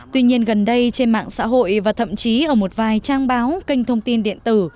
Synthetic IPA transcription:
t̪wi˧ɲi˧ənɣə˨˩nɗə˧jt͡ɕe˧nma̰ː˧˨ŋsa̰ː˧˥ɦo̰˧˨jvaː˨˩t̪ʰə̰˧˨mt͡ɕi˨˦ʔəː˧˩mo˨˩t̚vaː˨˩jt͡ɕaː˧ŋɓaː˨˦wkï˧ŋ̟t̪ʰə˧wŋ͡mt̪i˧nɗḭ˧˨ənt̪ɨ˧˩

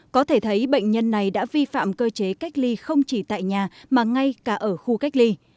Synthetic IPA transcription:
kɔ˨˦t̪ʰe˧˩t̪ʰə˨˦jɓə̰˧˨ŋ̟ɲə˧nːa˨˩jɗa̰ː˧˥vi˧fa̰ː˧˨mkəː˧t͡ɕe˨˦ka˦˥jk̟̚li˧xə˧wŋ͡mt͡ɕi˧˩t̪a̰ː˧˨jɲaː˨˩maː˨˩ŋa˧jkaː˧˩ʔəː˧˩xu˧ka˦˥jk̟̚li˧

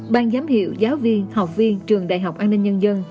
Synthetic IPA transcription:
ɓaː˧ŋzaː˨˦mhḭ˧˨əwzaː˨˦wvi˧ənha˨˩wk͡p̚vi˧ənt͡ɕɨ˨˩əŋɗa̰ː˧˨jɦa˨˩wk͡p̚ʔaː˧nːï˧ŋ̟ɲə˧nzə˧n

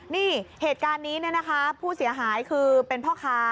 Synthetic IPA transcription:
niː˥˩heː˨˩t̪̚kaː˧nːiː˦˥nɯ˥˩na˦˥kʰa˦˥pʰuː˥˩si˨˩˦ɐɦaː˩˦jkʰɯː˧pe˧npʰɔː˥˩kʰaː˦˥

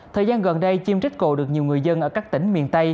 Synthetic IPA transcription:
t̪ʰəː˨˩jzaː˧nɣə˨˩nɗə˧jt͡ɕi˧mt͡ɕi˦˥k̟̚ko̰˧˩ɗɨ˨˩ək̚ɲi˨˩wŋɨ˨˩əjzə˧nʔəː˧˩kaː˦˥k̚t̪ï˧˩˦ŋ̟mḭ˨˩ənt̪ə˧j

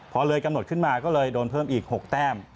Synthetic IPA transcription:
pʰɔ˧lɤː˧jka˧mno˨˩t̪̚kʰɯ˥˩nmaː˧kɔː˥˩lɤː˧jdoː˧npʰɤː˥˩mʔiː˨˩k̚ho˨˩k̚t̪ɛː˥˩m

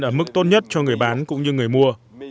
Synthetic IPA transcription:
nʔəː˧˩mɨ˦˥k̚t̪o˦˥t̚ɲə˦˥t̚t͡ɕɔ˧ŋɨ˨˩əjɓaː˨˦nkʊ̰˧˥ŋ͡mɲɨ˧ŋɨ˨˩əjmu˧ə

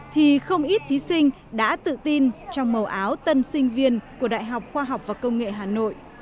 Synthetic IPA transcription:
t̪ʰi˨˩xə˧wŋ͡mʔi˦˥t̚t̪ʰi˨˦sï˧ŋ̟ | ɗa̰ː˧˥t̪ɨ̰˧˨t̪i˧nt͡ɕɔ˧wŋ͡mmə˨˩wʔaː˨˦wt̪ə˧nsï˧ŋ̟vi˧ənku˧˩əɗa̰ː˧˨jɦa˨˩wk͡p̚xwaː˧ɦa˨˩wk͡p̚vaː˨˩kə˧wŋ͡mŋḛ˧˨ɦaː˨˩no̰˧˨jʔ

